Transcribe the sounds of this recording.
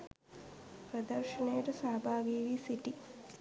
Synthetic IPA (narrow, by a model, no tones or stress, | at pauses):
pɾɐd̪ɐɾʃɐnejəʈɐsaːbʱaːɡiːʋiːsiʈi